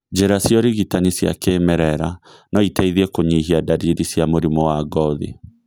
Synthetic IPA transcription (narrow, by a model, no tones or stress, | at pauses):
d͡ʑeɾasjɔɾiɣitanisja̰keːmɛɾɛɾa | nɔitaiðiɛkoɲiɦiadaɾiɾisjamoɾimɔwaːɡɔðḭ